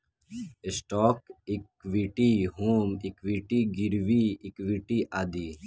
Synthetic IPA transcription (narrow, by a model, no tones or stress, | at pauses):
ɪsʈoːkikʋiʈiːɦuːmikʋiʈiːɡiɾʋiːikʋiʈiːʔaːd̪iː